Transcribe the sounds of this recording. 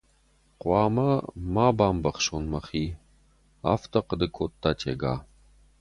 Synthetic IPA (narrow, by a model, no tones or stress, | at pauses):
qʷɑːmɐmaːbaːmbɐχʃonmɐχiː | a̰ft̪ʰɐqəd̪ɨkʷʰot̪ːaːtʰḛɡa̰ː